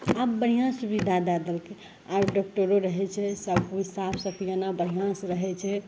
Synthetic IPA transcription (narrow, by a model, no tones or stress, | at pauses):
apːəɽ̤ijãsubid̪ʱad̪ad̪əlke | abɖɔk̚ʈoɾoɾəɦɛt͡ʃʰɛsəbusapʰsəpʰijanabəɽ̤ijãsɾəɦɛt͡ʃʰɛ